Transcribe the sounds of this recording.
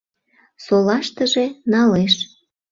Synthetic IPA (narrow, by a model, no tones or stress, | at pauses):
solɑʃt̪əʒenɑleʃ